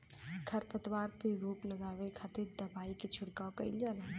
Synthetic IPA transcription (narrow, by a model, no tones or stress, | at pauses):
kʰɐɾpət̪waːɾpeɾuːplɐɡaːwekʰaːt̪ɪɾd̪ɐbaːiket͡ʃʰʊɽkaokɐḭld͡ʒaːlaː